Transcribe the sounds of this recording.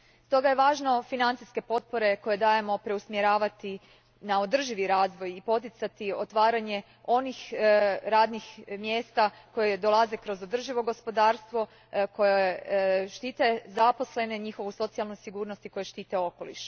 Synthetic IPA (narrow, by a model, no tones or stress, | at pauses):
st̪o̞ɡaje̞ʋaːʒno̞finant̪iske̞po̞t̪̚po̞ɾe̞ko̞jed̪aːjemo̞pɾe̞usmjeɾaːʋat̪i | nao̞d̪r̩ʒiʋiɾaːzʋo̞jipo̞t̪it̪sat̪iot̪ʋaːɾaɲe̞ | o̞nixɾaːd̪nixmjeːst̪a | ko̞jed̪o̞lˠaze̞kɾo̞zod̪r̩ʒiʋo̞ɡo̞spo̞d̪aːɾst̪ʋo̞ | ko̞jeʃt̪it̪e̞zapo̞sle̞ne̞ɲixo̞ʋuso̞t̪sialˠnujsiɡuːɾnost̪iko̞jeʃt̪iːt̪e̞o̞ko̞lḭʃ